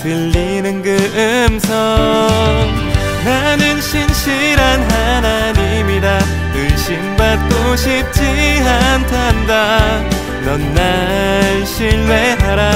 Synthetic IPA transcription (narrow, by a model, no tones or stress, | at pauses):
tɯɭːinɯnɡɯɯmsʰʌ | ŋ | nanɯnɕʰinɕʰiɾanɦanaɲimida | ɯɕimbat̚k͈oɕʰip̚t͡ɕʰiɦantʰanda | nʌnːaɭɕʰiɭweɦaɾa